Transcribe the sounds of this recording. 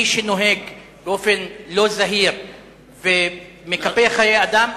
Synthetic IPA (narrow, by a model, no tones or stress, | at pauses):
iʃeno̞ɦeɡ | beo̞fe̞nlo̞zaɦiʁ | ve | mekapeχajejad̪am